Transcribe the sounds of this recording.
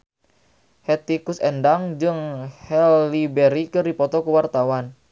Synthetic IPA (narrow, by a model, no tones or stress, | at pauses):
hɛt̪ikusɛndaŋd͡ʒɨŋhɛlːibɛɾikɨrdipɔt̪ɔkuwart̪awan